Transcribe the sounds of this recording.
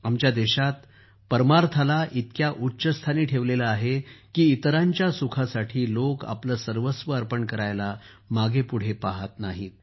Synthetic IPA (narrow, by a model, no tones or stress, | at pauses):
amt͡ɕjad̪ɛɕat̪ | pəɾmaɾt̪ʰalaʔit̪kjaʔutːɕəst̪ʰaniːʈʰeʋleləaɦekiːt̪ɾaɲt͡ɕjasukʰasaʈʰiːloka̰pləːsəɾʋəsʋəəɾpəɳkəɾajla | maɡʱepuɽ̤epaɦat̪naɦiːt̪̚